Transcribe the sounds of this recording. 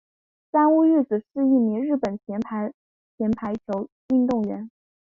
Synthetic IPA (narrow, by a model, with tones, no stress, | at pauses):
sa˥nu˥y˥˩t͡sɹ̩˨˩ʂɻ̩˥˧i˥˩mi˧˥ŋɻɻ̩˥˩pə˨˩nt͡ɕʰjɛ˧˥nʰa˧˥ɪ | t͡ɕʰjɛ˧˥npʰa˧˥ɪt͡ɕʰjo˧˥ʊ | y˥˧nt̪ʊ˥˩ŋɥɛ̰˧˥n